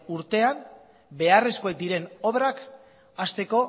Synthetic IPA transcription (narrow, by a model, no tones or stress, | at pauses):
uɾt̪e̞am | be̞are̞skoek̚d̪iɾe̞no̞βɾak | ast̪e̞ko̞